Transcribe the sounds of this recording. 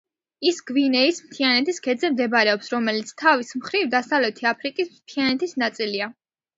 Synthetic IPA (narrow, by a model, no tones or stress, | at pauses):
isɡ̥vinɛismt̪ʰianɛt̪ʰiskʰɛd̪zɛmd̪ɛbɾɛɔpsɾɔmɛlit̪sʰt̪ʰavismχɾivd̪asavlɛt̪ʰiapʰɾikʼismt̪ʰianɛt̪ʰisnat̪sʼilia